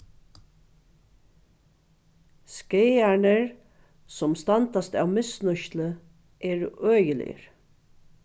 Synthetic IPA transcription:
skejaɳəɹ | sʊmst̪ɑnt̪ast̪a̰ːwmɪsnʏʃt̪lə | ʔɛːɹœːjəlɪ̰jə̰ɾ

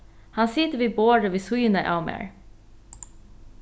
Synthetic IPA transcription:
hɑnsɪt̪əʋiːboːɾəʋiːsujənəʔɑ̰mæ̰ːɹ

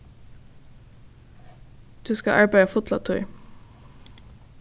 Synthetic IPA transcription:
d̪̥ʉːskɑ̰ʔɑɹbæɪɑfʊt̪lɑ̰t̪ʰʉʏ

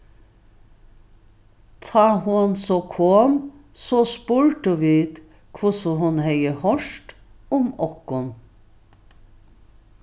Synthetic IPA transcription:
t̪ʰɑːhʊnsɔkʰoːmsɔspʉɹʈəʋiːd̪ | kʰʋʊsɔɦʊnhɛɪəhɔʂʈʊmɔkʊn

